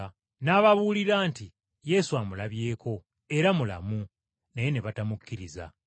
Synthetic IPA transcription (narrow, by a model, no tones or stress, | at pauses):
naːβaβuːliɾaːnti | je̞suamulaβje̞ːkʰo̞ | e̞ɾamula̰mu | neje̞neβatamukːiɾiza̰